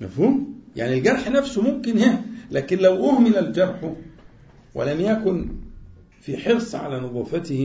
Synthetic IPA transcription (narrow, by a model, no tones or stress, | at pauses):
mæfhuːmja̰ʕnilɡɑɾˤħnæfsomʊmkɪnhæhlæːkɪnlæwʔʊhmɪlæld͡ʒɑɾˤħʊ | wæ̰læmjækʊn | fiħeɾsˤʕa̰lænʊðˤɑːfæt̪ɪh